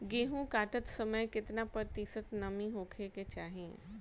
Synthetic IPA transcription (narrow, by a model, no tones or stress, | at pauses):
ɡeːɦũkaːʈət̪səməjkɪt̪napəɾt̪isət̪nəmiɦoːkʰeket͡ʃaːɦiḛ̃